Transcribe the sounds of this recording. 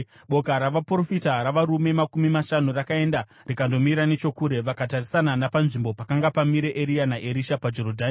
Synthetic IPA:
ɓo̞kaɾaʋapro̞fitaɾaʋaɾume̞makumimaʃanurakae̞nda | rikando̞miɾane̞t͡ʃo̞kuːɾe̞ʋakatarisananapanʐimbo̞pakaŋɡapamiɾe̞ʔeɾianaʔeɾiʃapad͡ʒo̞ɾodʱaːni

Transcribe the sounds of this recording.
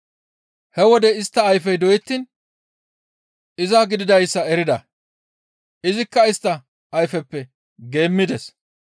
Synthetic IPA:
hɛwɔd̪ɛɪst̪ːɐːjfɛjd̪ɔjɪt̪ːiːn | ɪzɐɡɪd̪ɪd̪ɐjsːɐɛɾɪd̪ɐ̰ | ʔɪzɪkːɐɪst̪ːɐ | ʔːjfɛpːɛ | ɡe̞ːmːɪd̪ɛs

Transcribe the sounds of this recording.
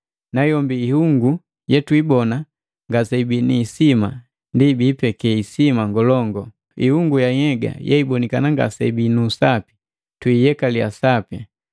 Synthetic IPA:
najɔmbiːhuŋɡu | jɛtwibɔna | ŋɡasɛibiniːsima | ndibiːpɛkɛisimaŋɡɔlɔŋɡɔ | ḭhuŋɡujahɛɡa̰jɛ̰ibɔnikanaŋɡa̰sɛ̰ibinuːsapi̥ | twijɛkalia̰sapja

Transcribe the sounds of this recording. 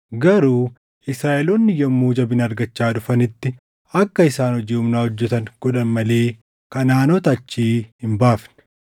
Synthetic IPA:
ɡɐɾuː | ʔɪsɾaːʔɛlunːɪjɐmːuːd͡ʒɐbɪnɐɾɡɐt͡ʃːaːᶑʊfɐnɪt̪ːɪ | ɐkːɐɪsaːnhɔd͡ʒiːʊmnaːhɔd͡ʒːɛt̪ɐŋkʊᶑɐnmɐle̞ː | kɐnaːnot̪ɐɐt͡ʃːiːhɪmbaːfnɪ̥

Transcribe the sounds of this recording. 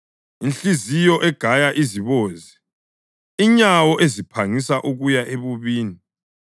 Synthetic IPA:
inɬizijɔʔɛɡ̥ʱajaʔiziβɔːzɛ | iɲawɔʔezipʰaŋisaʔuɣujaʔeβuβiːni

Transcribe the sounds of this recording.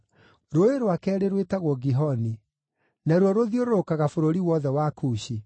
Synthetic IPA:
ɾoeɾwakɛːɾeɾwetaɣwɔɡiɦɔni | naɾwɔɾoðioɾookaɣafoɾoɾiwɔðɛwakuːɕi

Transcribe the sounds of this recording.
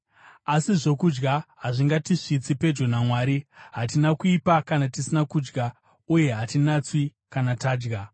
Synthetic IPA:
asiʐo̞kud͡ʒɡaɦaʐiŋɡatiʂit͡sipe̞d͡ʒonamwaːɾiɦatinakuipakanatisinakud͡ʒɡa | uje̞ɦatinat͡swi | kanataːd͡ʒɡa

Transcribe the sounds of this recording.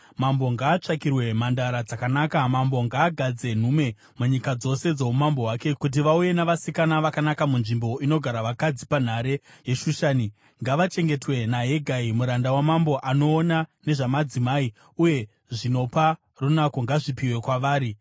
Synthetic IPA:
mambo̞ŋɡaːt͡ʂakirwe̞mandaɾad͡zakanaːkamambo̞ŋɡaːɡʱad͡ze̞n̤ume̞ | muɲikad͡zo̞se̞d͡zo̞umambo̞ɦwake̞kut̬iʋauje̞naʋasikanaʋakanakamunʐimbo̞ʔino̞ɡʱaɾaʋakad͡zipan̤aɾe̞je̞ʃuʃaːni | ŋɡaʋat͡ʃe̞ŋɡe̞twe̞naɦeɡʱaimuɾandawamambo̞ʔano̞ːnane̞ʐamad͡zimaːi | uje̞ | ʐino̞pa | runakoŋɡaʐipiwe̞kwaʋaːɾi

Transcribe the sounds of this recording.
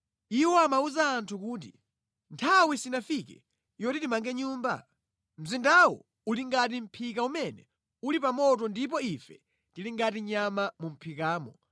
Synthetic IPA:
iwɔamauzaːntʰukuːt̬ḭ | ntʰawisinafikɛ | jɔtitimaŋɡɛɲuːmba̰ | m̩zindawɔ̰ | uliŋɡat̬im̩pʰikaumɛnɛ̰ | ulip̬amɔt̬ɔndip̬ɔifɛ | tiliŋɡatiɲamamum̩pʰikaːmɔ

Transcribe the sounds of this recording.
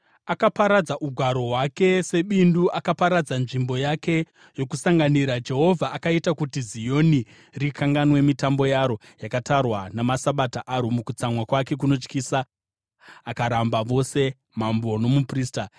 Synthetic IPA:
akapaɾad͡zaʔuɡʱwaɾo̞ɦwake̞se̞ɓinduʔakapaɾad͡zanʐimbo̞jake̞ | jo̞kusaŋɡaniɾad͡ʒe̞ɦo̞vʱaʔːkaitakutizijo̞ni | rikaŋɡanwe̞mitambo̞jaɾo̞ | jakatarwanamasaɓataʔaɾomukut͡samwakwake̞k̬uno̞t͡ʃkiːsaː | kaɾambaʋo̞se̞ | mambo̞no̞mupriːsta

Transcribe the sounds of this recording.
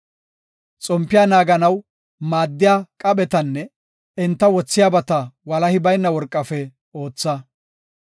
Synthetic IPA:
t͡sʼɔmpːɪjaːnaːɡɐnɐw | maːd̪ːɪjaːkʼɐɓɛt̪ɐnːɛ | ɪnt̪ːɐwɔt͡sːɪjaːbɐt̪ɐwɐlɐhɪbɐjnːɐwɔɾkʼːɐfɛ | o̞ːt͡sːɐ

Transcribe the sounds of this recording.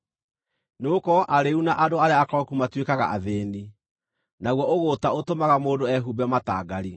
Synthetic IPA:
nookɔʔaɾeunaʔadoaɾeaːkɔkumatwekaɣa̰ʔa̰ðeːni | naɣwɔoɣotaotomaɣamoːdoɛɦubɛmata̰ːɡaɾi

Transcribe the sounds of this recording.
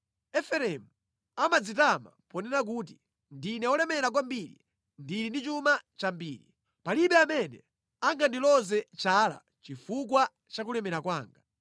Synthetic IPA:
ɛfɛɾɛmu | amad͡zit̬ama̰pɔnɛɾak̬uːt̬i | ndinɛɔlɛmɛɾak̬wambiɾḭ | ndiɾindit͡ʃumat͡ʃambiːɾi | paliɓɛamɛnɛ̰ | aŋɡandilɔzɛt͡ʃala̰ | t͡ʃifuk̬wa | t͡ʃak̬ulɛmɛɾakwaːŋɡa

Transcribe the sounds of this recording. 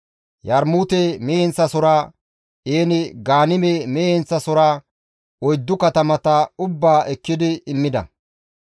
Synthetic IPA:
jɐɾmuːt̪ɛmɛhɛnt͡sːɐsɔɾa | eːnɪɡaːnɪmɛmɛhɛnt͡sːɐsɔɾa | ɔjd̪ːʊkɐt̪ɐmɐt̪ɐʊbːaːʔɛkːɪd̪ɪːmːɪd̪ɐ̰

